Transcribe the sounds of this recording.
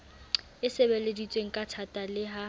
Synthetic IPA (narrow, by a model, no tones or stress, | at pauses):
ɪsebeledit͡sʼweŋ̩kʼatʰatʼalɪɦa